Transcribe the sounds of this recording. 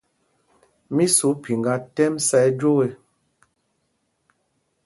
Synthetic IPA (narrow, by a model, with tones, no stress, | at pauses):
mi˦su˨˦pi˨ŋɡa˦tɛ˦msɛ˦d͡ʒo˦we˨